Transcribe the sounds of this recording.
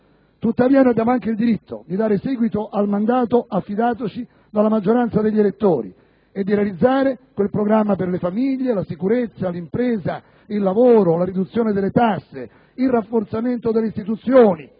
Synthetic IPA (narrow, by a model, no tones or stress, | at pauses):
t̪ut̪ːaviːanad̪aːmaŋkeɪild̪iɾit̪ʰːo̰d̪id̪aːɾesɛːɡwit̪oʔalmand̪aːt̪oʔafːid̪aːt̪ot͡ʃi | d̪alːamad͡ʒːoɾant̪sad̪eʎːielet̪ːoːɾḭ | ed̪ːiɾealid̪zːaːɾekwelpɾoɡɾamːaperlefamiʎːelasikuɾet̪sːalimpɾɛːza | ilːavoːɾolaɾid̪ut̪sːjɔːned̪elːet̪asːe | ilrafːoɾt̪sament̪od̪elːeist̪it̪ut̪sːjoːni